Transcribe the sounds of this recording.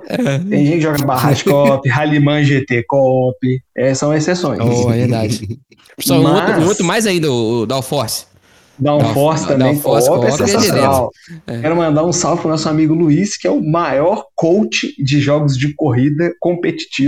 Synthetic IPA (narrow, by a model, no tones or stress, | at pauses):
ɛt̪ẽj̃ʒẽt͡ʃkɪʒɔɡɐbaɦat͡ʃɪ̥kɔpɪɦalimɐ̃ʒet̪ekɔpɪɛsɐ̃w̃esesõj̃sɛveɾd̪ad͡ʒ | smoaot̪ɾʊmajzaĩnd̪ɐʊd̪aʊfɔɾs | d̪aũfɔɾst̪ɐ̃bẽj̃kɔɔpɛẽsasonawɛkɛɾʊmɐ̃nd̪aɾũsawfkʊ̃nɔsʊamiɡʊluiskɪɛʊmajɔɾkowt͡ʃɪd͡ʒɪʒɔɡʊzd͡ʒɪkoɦid̪ɐkõpet͡ʃi̥t͡ʃi